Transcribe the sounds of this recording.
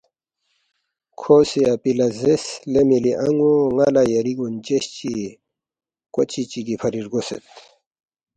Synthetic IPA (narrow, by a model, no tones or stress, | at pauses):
kʰosiapilazeslemiliʔɐŋɡoŋalajɐɾiɡunt͡ɕeɕt͡ɕi | kot͡ɕit͡ɕiɡipʰɐɾiɾɡosḛt̪